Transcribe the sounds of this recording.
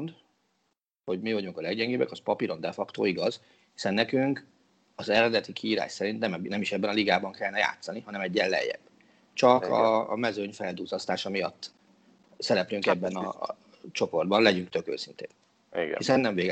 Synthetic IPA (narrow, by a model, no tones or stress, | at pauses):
nd̪ | ho̞ɟmivɒɟuŋkɒlɛɡɟɛŋɡeːbɛkɒspɒpiɾo̞nd̪ɛfɒkt̪o̰ːiɡɒz̥ | hi̥sɛnːɛkyŋk | ɒzɛɾɛd̪ɛt̪ikʰiːɾa̰ːʃsɛɾint̪nɛmnɛmiʃɛbːɛnɒliɡaːbɒŋkɛlnɛja̰ːt̪sɒniɦɒnɛmɛɟːɛlːɛ̰jːɛ̰b̥ | t͡ʃɒkɒ̰ːmɛzøɲfɛld̪uːzɒst̪aːʃɒmijɒ̰t̪ː | sɛɾɛplyŋkɛbːɛnɒ̰ | t͡ʃo̞po̞rd̪bɒnlɛɟyŋkt̪ø̞kø̰ːsint̪ḛːn | ḭɡisɛnːɛɱveːɡ